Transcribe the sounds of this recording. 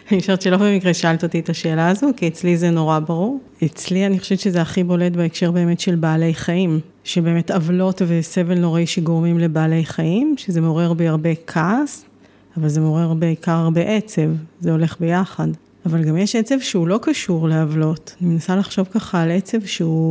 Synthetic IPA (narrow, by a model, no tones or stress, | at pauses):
anioʃevtʃelofbemikʁeʃalt̪ot̪ietaʃeːlaːzokiet͡slizeno̞ʁabaʁuʁ | et͡slianiχoʃevtt͡ʃʃezeaχibo̞letbeekʃe̞ʁbe̞ːme̞tʃe̞lbaːle̞jχaim | ʃebe̞ːme̞tavlo̞tve̞sevelno̞ʁaiʃeɡo̞ʁmimle̞baːle̞jχaimʃezemo̞ʁeʁbeaʁbe̞kʰas | avalze̞mo̞ʁeʁbeikaʁaʁbe̞ʔet͡se̞vzeo̞le̞χbe̞jaχad | avalɡamjeʃet͡sevʃeulo̞kaʃuʁleavlo̞tanimenasalaχʃo̞vkaχaːlet͡se̞vʃeu